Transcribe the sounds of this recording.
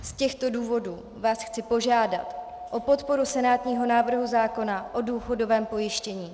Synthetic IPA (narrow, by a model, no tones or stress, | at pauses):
scɛxt̪o̞duːvo̞duː | vaːsxt͡sɪpo̞ʒaːda̰t̪ | ʔo̞po̞t̪po̞ɾusɛnaːt̪ɲiːɦo̞naːvr̩ɦuzaːko̞naʔo̞duːxo̞do̞vɛːmpo̞jɪʃcɛɲiː